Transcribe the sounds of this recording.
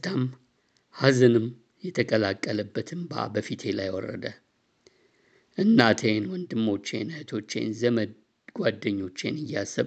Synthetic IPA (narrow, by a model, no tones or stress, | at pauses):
t̪ʰam | hazɨnɨm | jɛt̪ʰəkʼəlakʼːələbːət̪ʰɨmba̰bəfit̪ʰe̞lajwɔ̰rːə̰d̪ə | ʔɨnːat̪ʰenwɔnd̪ɨmːo̞t͡ʃːenət̪ʰo̞t͡ʃːḛnzəmə | ɡ̥ʷwad̪ːəɲːo̞t͡ʃːḛnɨjːasɨβ